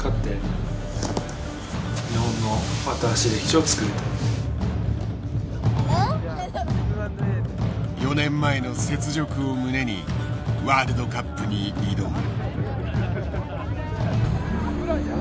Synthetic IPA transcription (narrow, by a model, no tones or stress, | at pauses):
kʰat̪ːe̞ | ɲihõ̞nːo̞mat̪aːɕid̪e̞çʲi̥t͡ɕot͡sɨ̥kɯ̟ɾet̪ḁ | jo̞nẽ̞mːae̞no̞se̞t͡sɨʑo̞kɯ̟omɯ̟ne̞ɲ̟iβaːɾɯ̟d̪o̞kapːɯ̟ɲ̟iɾid̪o̞m